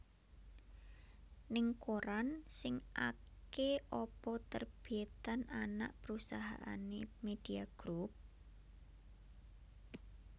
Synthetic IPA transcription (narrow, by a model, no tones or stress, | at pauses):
nɪŋkoɾansɪŋʔakkeʔɔpɔt̪ərb̥iet̪anana̰ʔpəɾusaɦa̰ʔanemed̪̥iaɡ̥ɾup̚